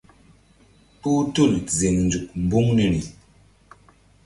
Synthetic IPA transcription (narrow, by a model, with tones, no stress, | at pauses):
pu˦tu˦˨lze˨ŋn˨d͡zu˨k̚m̩˨bu˦ŋni˨ɾi˨